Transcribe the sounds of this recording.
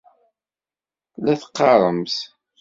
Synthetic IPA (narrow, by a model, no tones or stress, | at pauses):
læθə̥qːɑɾˤəmθ